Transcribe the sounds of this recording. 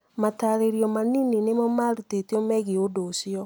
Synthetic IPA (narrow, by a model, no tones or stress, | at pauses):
mataɾeɾiɔmanininemɔmaɾutetiɔmɛɣiodosiɔ